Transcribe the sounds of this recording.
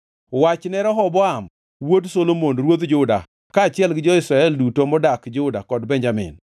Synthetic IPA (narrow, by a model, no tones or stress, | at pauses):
wat͡ʃnɛɾɔɦɔbɔam | wodsolomonɾwod̪d͡ʒʊda̰ | kaːt͡ʃɪɛlɡɪd͡ʒɔɪsɾaɛldutomɔdakd͡ʒʊdakɔdbɛɲd͡ʒamɪ̰n